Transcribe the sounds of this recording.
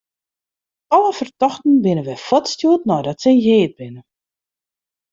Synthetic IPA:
ɔləfərtɔxtn̩bɪnəʋɛjfɔtstjuətnɔjdɔtsɛjeːt̚bɪnə

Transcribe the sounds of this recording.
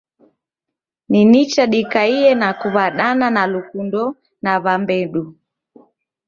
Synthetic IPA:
ninit͡ʃaɗikaiɛnakuβaɗananalukundɔ | naβambɛɗu

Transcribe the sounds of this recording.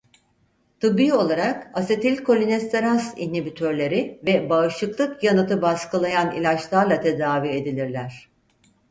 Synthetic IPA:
t̪ʰɯbiːo̞lˠaɾakase̞t̪ʰilʲkʰo̞lʲinɛst̪eɾansinibit̪ʰøɾlʲe̞ɾivɛbaɯʃlˠɯklˠɯkjanɯt̪ɯbaskɯlˠajanḭlʲat͡ʃlˠaɾlˠat̪ʰe̞d̪aːvie̞d̪ilʲiɾlʲæɾ̝̥

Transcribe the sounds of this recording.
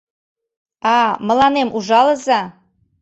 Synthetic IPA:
ɑmə̆lɑnemʔuʒɑlə̆zɑ

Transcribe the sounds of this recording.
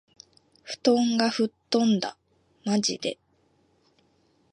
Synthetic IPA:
ɸɯ̟̥t̪õ̞ŋɡaɸɯ̟t̪ːõ̞nd̪a | mad͡ʑḭd̪e̞̰

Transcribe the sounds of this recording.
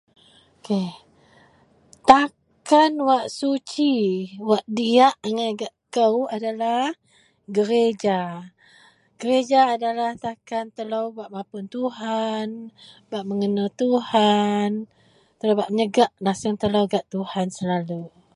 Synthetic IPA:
oke | t̪a | kanwaʔsut͡ʃiwaʔdiaʔŋaɡaʔkəwadala | ɡəɾed͡ʒa | ɡ̥əɾed͡ʒaːdalaht̪akant̪əlawbaʔmãpʊnt̪uhan | baʔməŋənat̪uhan | t̪əlowbaʔməɲəɡaʔlasəŋt̪əlowɡaʔt̪uhansəlalu

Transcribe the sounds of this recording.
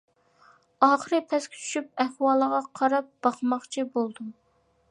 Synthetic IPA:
ɑːχəɾɨpʰɛskʲʰy̥t͡ʃʰy̥ʃyp̚ɛhwɑːlˠəʁɑqʰɑɾɑp̚b̥ɑχmɑχt͡ʃʰibolˠd̪u

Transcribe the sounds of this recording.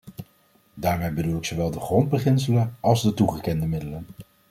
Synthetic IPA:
daːɹmejbədulɪksowʋɛlˠdəχrɔnd̚bəχɪns̬ələnɑlˠzdətuχəkɛndəmɪdələn

